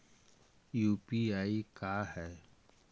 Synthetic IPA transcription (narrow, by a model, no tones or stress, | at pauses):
juːpiaːikaːɦɛː